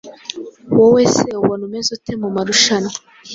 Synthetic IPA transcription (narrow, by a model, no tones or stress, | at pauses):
woweːseuwonumezutemumaɾuʃana